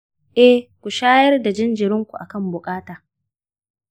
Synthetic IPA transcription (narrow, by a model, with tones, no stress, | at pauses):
ʔɛ˦hkʷu˨ʃaː˦jɐ˦rda˨d͡ʒɪ˦nd͡ʒɪ˨ɾɪ˦ŋkʷu˨ʔa˨kɐ˦˨mbʊ˨kʼaː˦taː˨